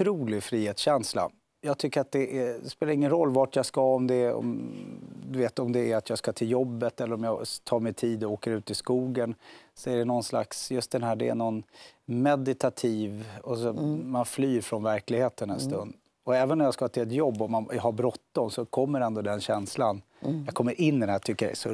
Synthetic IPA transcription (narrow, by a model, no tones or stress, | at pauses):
ɾuːlɪɡfɾiːheːt̪sɕɛnsla̰ | jɑːɡ̚t̪ʰʏkːəɾat̪̚d̪ɛʔæspeːlaɾɪŋːənɾɔlːvaʈjɑskaɔmd̪ɛɔ̰m | d̪ɵveːt̪ɔmd̪ɛæɾat̪ʰjɑːɡskat̪ʰɪljɔbːət̪ɛlːəɾɔmjɑt̪ʰɑːɾmɛt̪ʰiːd̪ɔoːkəɾʉ̟ːt̪ɪskuːɡənsɔæɖɛnɔnsla̰ksjɵst̪̚d̪ɛnɦæːɖɛ̰æ̰ɳɔnmɛd̪ɪt̪ʰat̪ʰiːvɔsɔmanflyːɾfɾɔnvæɾklɪɡheːt̪ənɛnst̪ɵ̰nd̪ | ɔɛːvənːɔmjaːskaɑt̪ʰɪlɛt̪jɔbːɔmːanjɑɦaɾbɾɔt̪ːɔmsɔkʰɔmːəɾɛnd̪ɔd̪ɛnɕɛnslan | jɑkʰɔmːəɾʔɪnːɪd̪ɛnæt̪ʰʏkːəa̰ɛ̰sɔ